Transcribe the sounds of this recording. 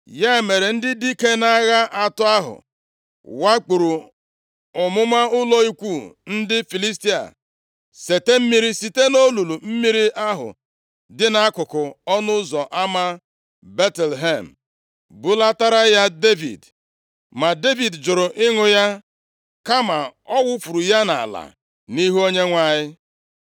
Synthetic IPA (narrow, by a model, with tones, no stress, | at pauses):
ja˦e˨me˨ɾe˨n̩˦dɪ˦di˦ke˦na˦ɣa˦ʔa˨tʊ˦a˦ɦʊ̰˨ | wa˦k͡pu˨ɾu˨ | ʊ˨mʊ˦ma˦ʊ˦lɔ˦i˦kʷu˦˨n̩˦dɪ˦fi˨li˦sti˦a̰˨ | se˨te˦m̩˦mi˦ɾi˦si˨te˦no˦lu˨lu˨m̩˦mi˦ɾi˦ʔa˦ɦʊ̰˨ | dɪ˦na˦kʊ˨kʊ˨ɔ˦nʊ˦zɔ˨ʔa˦ma˦ | be˦tɛ˨lɦe˦˨m̩˨ | bʊ˦la˦ta˦ɾa˦ja˦de˦vḭ˨d | ma˨de˦vi˨dd͡ʒʊ˨ɾʊ˨ʔɪ˦ŋʊ˨ja˦ | ka˦ma˨ɔ˦wʊ˦fu˨ɾu˨ja˦na̰˨a̰˨la̰˨ | ni˦ɦu˦o˦ɲe˦ŋʷa˦˨ɲɪ˦